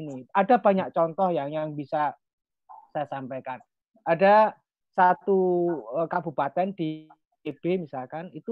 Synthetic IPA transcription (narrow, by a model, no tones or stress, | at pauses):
iniada̤b̥a̤ɲak̚t͡ʃɔnt̪ɔhjaŋjaŋb̥isa | sajasampajkan | ada | sat̪uəkabṳpat̪ɛnd̥i | eb̥emisalkanit̪u